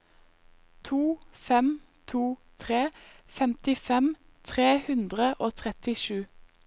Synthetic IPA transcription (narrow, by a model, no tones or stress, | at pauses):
t̪ʰuːfɛm | t̪ʰuːt̪ʰʁeː | fɛmt̪ɪfɛm | t̪ʰʁeːhʉnd̪ʁəʔoːt̪ʰʁɛt̪ɪʃʉː